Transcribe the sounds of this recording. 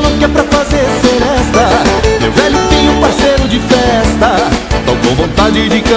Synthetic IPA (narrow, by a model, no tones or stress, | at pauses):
lɐ̃kɛpɾɐfazeɾseɾɛst̪ɐmewvɛʎʊt̪ẽj̃ũpaɾsejɾʊd͡ʒɪfɛst̪ɐd̪ãwkowvõnt̪ad͡ʒɪd͡ʒɪkɐ̃